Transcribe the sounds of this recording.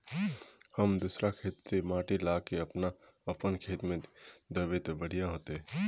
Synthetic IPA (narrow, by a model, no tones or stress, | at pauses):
hɐmd̪usɾakʰeːt̪semaːʈilaːkeɐpna | ɐpənkʰeːt̪mẽd̪əʋet̪bəɽ̤ijãɦoːt̪eɦɛ